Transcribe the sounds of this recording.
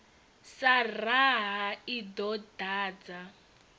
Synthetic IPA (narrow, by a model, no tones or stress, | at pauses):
saraɦaid̪ɔdaːd͡za